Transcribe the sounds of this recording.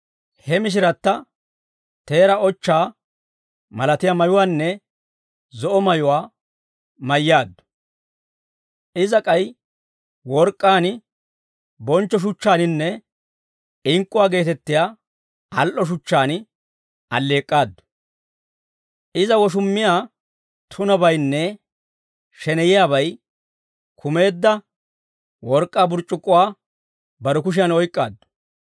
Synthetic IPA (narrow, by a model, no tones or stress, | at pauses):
hɛmɪʃ̬ɪɾɐt̪ːɐ | t̪e̞ːɾɐɔt͡ʃːaː | mɐlɐt̪ɪjamɐjʊwaːnːɛ | zɔʔɔmɐjʊwaː | mɐjːaːd̪ːʊ̥ | ɪzɐkʼɐj | wɔɾkʼːaːnɪ | bɔnt͡ʃːɔʃ̬ʊt͡ʃːaːnɪnːɛ | ɪŋkʼːʊwaːɡe̞ːt̪ɛt̪ːɪjaː | ɐlʔɔʃ̬ʊt͡ʃːaːn | ɐlːe̞ːkʼːaːd̪ʊ̥ | ʔɪzɐwɔʃ̬ʊmːɪjaː | t̪ʰʊnɐbɐjnːɛ | ʃɛnɛjɪjaːβɐj | kʰʊme̞ːd̪ːɐ | wɔɾkʼːaːbʊɾt͡ʃʼːʊkʼːʊwaː | bɐɾɛk̬ʊʃ̬ɪjɐnɔjkʼːaːd̪ːʊ̥